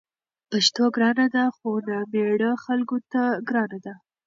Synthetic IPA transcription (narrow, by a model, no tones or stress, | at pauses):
paʃt̪oɡɾɑnad̪axonameɽəxalɡot̪aɡɾɑnad̪a